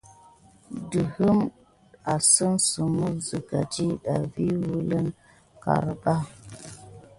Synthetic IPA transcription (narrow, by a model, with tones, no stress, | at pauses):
də˨hə˦m | a˨sə˦nsu˨mu˦zə˨ka˨ti˦ɗa˨vi˦wu˦lə˦n | ka̰˨ɾba˦